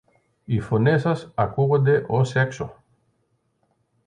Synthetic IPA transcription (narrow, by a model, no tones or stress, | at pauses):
ifonesasakuɣed̪eʔosekso